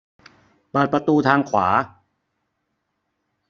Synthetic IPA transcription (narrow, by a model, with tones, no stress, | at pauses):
pɤː˨˩t̪̚pɾa˧t̪uː˧t̪ʰaː˧ŋkʰwa̰ː˩˦